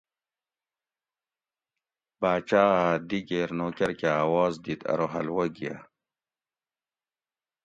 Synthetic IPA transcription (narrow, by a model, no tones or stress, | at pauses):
baːt͡ɕaːad̪iɡeːɾnoːkɐɾkeaːwɑːzd̪it̪ɐ̰ɾoɦɐlwɐɡia̰